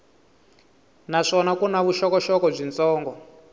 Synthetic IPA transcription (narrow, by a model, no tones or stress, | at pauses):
naʂɔnakunaβuʃɔkɔʃɔkɔb͡ʐint͡sɔːŋɡɔ